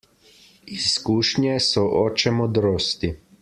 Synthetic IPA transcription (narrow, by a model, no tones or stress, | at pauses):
iskuːʃɲjɛsɔʔɔːt͡ʃɛmɔd̪ɾoːst̪i